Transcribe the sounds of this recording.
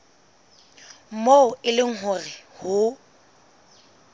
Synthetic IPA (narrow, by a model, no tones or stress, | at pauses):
m̩moʊɪlɪŋ̩ɦʊrɪhʊ